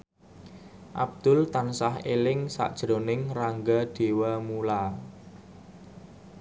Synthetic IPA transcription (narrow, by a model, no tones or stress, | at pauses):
ʔa̰b̚d̪̥ʊ̤lt̪ansahelɪŋsa̰ʔd̥ʒ̥ɾonɪŋraŋɡaɖ̪̥e̤wamula